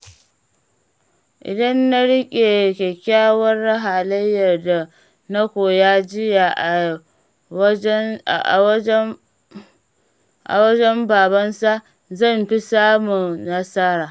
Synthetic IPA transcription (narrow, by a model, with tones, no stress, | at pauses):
ʔɪ̰˨dɐ˦nːa˦ɽɪ˦kʲʼe˨kʲe˨kʲaː˦wɐ˦rːɐ˦ɦaː˨lɐ˦jːɐ˨rda˨ | nɐ˦kʷoː˨jaː˦d͡ʒɪ˦ja˨ʔa˨˦˨ | ʔa̰˨wɐ˦d͡ʒɛ˦mbaː˨bɐ˦nsa˦ʔ | zɐ˦˨mɸi˦saː˦mu˨na˦sɐ˦ɾaː˨